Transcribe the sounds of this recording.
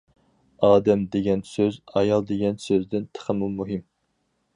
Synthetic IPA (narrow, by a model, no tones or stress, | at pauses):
ɑːd̪ɛmd̪eɡʲɛnsøzɑjɑlˠd̪eɡʲɛnsøzd̪ɪnt̪ʰə̥χʰəmumuɦɨm